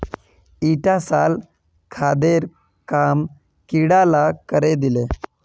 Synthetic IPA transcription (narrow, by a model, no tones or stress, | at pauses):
iʈasal | kʰad̪eɾ | kam | kiɽalakəɾed̪ile